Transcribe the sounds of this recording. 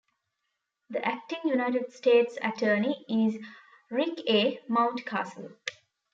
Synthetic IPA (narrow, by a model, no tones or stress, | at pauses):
d̪əʔæk̚ʈɪ̃ŋjunaɪʈeɖsʈeːʈsə̰ʈʰəːniɪz | ɾɪkeːmãʊ̃nʈkʰa̰ːsə̰l